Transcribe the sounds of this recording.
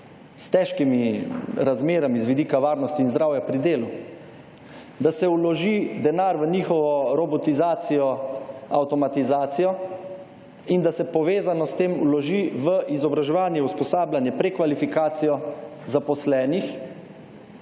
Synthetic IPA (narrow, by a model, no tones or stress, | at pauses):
st̪ɛʃkimiɾazmeːɾamizʋid̪iːkaʋaːɾnɔst̪iːnzd̪ɾawjapɾid̪eːlu | d̪asɛulɔʒid̪ɛnaːɾʋəniːxɔʋɔɾɔbɔt̪izaːt̪sijɔa̰wt̪ɔmat̪izaːt̪sijɔ | ind̪asɛpɔʋeːzanɔst̪eːmṵlɔʒiʋəʔizɔbɾaʒɛʋaːnjɛuspɔsaːblanjɛpɾɛkʋalifikaːt̪sijɔzapɔslɛːnix